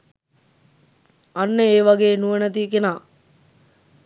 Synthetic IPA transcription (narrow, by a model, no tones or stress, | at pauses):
anːeeːʋaɡeːnuənət̪iːkenaː